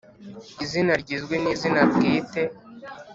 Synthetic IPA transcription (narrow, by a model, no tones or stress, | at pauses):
izinaɾɟizɡwenizinabɡiːte̞